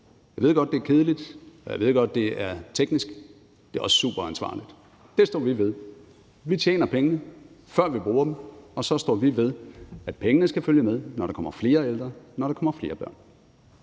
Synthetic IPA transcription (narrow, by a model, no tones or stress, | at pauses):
jɑɪʋe̝ð̞̰ˠɡ̥ɒ̽d̥̚d̥e̝æɐkʰe̝ð̞ˠlid̥ɒjaɪʋe̝ð̞̰ˠɡ̥ɒ̽d̥̚ːe̝æɐt͡sʰeɡ̥nisɡ̥ | d̥e̝æɒ̽sə̥sṵːb̥ɐænsʋɑ̰̈ːlid̥ | d̥esd̥ɒ̰ːʋiʋe̝ð̞ˠ | ʋit͡ɕʰjḛːnɐpʰeŋənə | fɶɐ̰ʋib̥ʁuːɐdm̩ɒ̽sɒ̽sd̥ɒ̰ːʋiʋe̝ð̞ˠæd̥̚pʰeŋənəsɡ̥æføljəmeð̞ˠnɒɾ̥ɑ̈kʰɒ̽m̰ɐfle̝ːɐeld̥ʁɐnɒɾɑ̈kɒ̽mɐfle̝ːɐb̥ɶɐ̰n